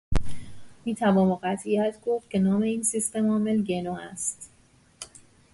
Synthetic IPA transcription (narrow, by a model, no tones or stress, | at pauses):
miːt̪ʰævɒːmɒɢæt̪ʰiæt̪ʰɡo̞ft̪̚kcʰe̞nɒːme̞iːnsist̪emɒːme̞lɟenɒːæst̪